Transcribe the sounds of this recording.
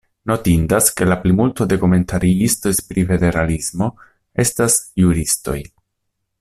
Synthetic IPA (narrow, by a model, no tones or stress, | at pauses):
no̞tindaske̞laplimultode̞kome̞ntʰaɾiisto̞spɾife̞de̞ɾalismo̞ | e̞stasjuɾisto̞̰j